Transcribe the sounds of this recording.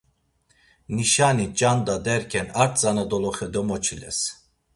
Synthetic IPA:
niʃanit͡ʃʼand̪ad̪ɛɾkʰɛnaɾt̪ʰzanad̪ɔlɔχɛd̪ɔmɔt͡ʃʰilɛ̰s

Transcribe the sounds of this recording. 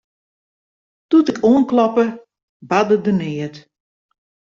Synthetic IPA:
tutɪkʰoənklɔpə | badədənɪət

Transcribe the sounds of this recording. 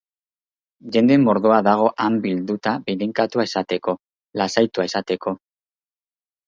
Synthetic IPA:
ʝe̞nd̪emo̞ɾðoaðaɣ̞o̞ʔambild̪ut̪aβiðiŋkat̪uaesat̪e̞ko̞ | lasajt̪uaesat̪e̞ko̞

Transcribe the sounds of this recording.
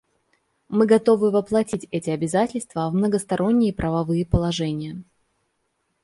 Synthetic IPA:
mɨɡɐt̪o̞vɨvəplˠɐtʲitʲɛtʲɪɐbʲɪzatʲɪlʲst̪vəvmnəɡəst̪ɐɾʔo̞nʲːɪjəpɾʔəvɐvɨjəpəlˠɐʐɛnʲɪjə

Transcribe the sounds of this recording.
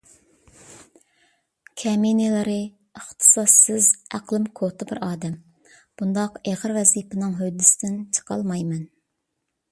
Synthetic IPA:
kʲʰɛmenɪlˠɨɾɨ | əχt̪ʰɨ̥sɑsːɪzæqlˠɪmkʰot̪ʰɨbɪɾɑːd̪ɛm | b̥und̪ɑqeʁəɾwɛzipɨnɨŋɦød̪ːɪsɪd̪ɪnt͡ʃʰə̥qʰɑ̰lˠmɑjmɛn

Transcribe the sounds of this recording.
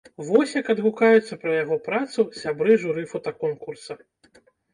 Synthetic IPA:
vɔsʲjɐkɐd̪ɣukajut̪sːɐpɾɐjaɣɔpɾat̪susʲabɾɨʐuɾɨfɔt̪ɐkɔnkursɐ

